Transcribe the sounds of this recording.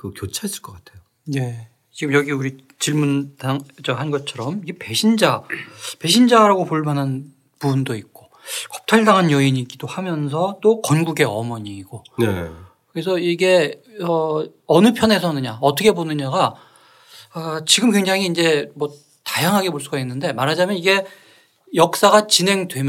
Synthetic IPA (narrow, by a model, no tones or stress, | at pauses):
kɯkjot͡ɕʰais͈ɯ̥ɭk͈ʌk͈atʰe̞jo | ne̞ | t͡ɕiɡɯmjʌɡiuɾi | t͡ɕiɭmuntaŋd͡ʑʌɦanɡʌt͡ɕʰʌɾʌmiɡe̞pe̞ɕʰind͡ʑape̞ɕʰind͡ʑaɾaɡopoɭmanɦan | pubundoik̚k͈o | kʌ̥p̚tʰaɭdaŋɦanjʌiɲikidohamjʌns̬ʰʌt͈okʌnɡuɡe̞ʌmʌɲiːɡonḛ | kɯɾesʰʌiɡe̞ʌ | ʌnɯpʰjʌne̞sʰʌnɯɲaʌtʰʌkʰe̞bonɯɲaɡa | at͡ɕiɡɯmkwe̞ŋd͡ʑaŋiːnd͡ʑe̞mwʌ | tajaŋɦaɡe̞poɭs͈uɡainːɯnde̞maɾɦad͡ʑamjʌniɡe̞ | jʌk̚s͈aɡat͡ɕinɦe̞ŋdwe̞m